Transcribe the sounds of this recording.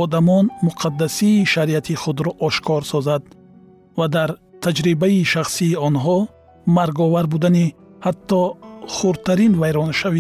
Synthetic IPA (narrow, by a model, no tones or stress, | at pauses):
ɔd̪amɔnmuqʰad̪ːasiːʃaɾiat̪ʰiχud̪ɾɔʔɔʃkʰɔɾsɔzad̪ | vad̪aɾt̪ʰad͡ʒɾibaiʃaχsiːɔnɦɔ | maɾɡɔvaɾbud̪anihat̪ːɔχuɾ̚t̪ʰːaɾinvajɾɔnʃavi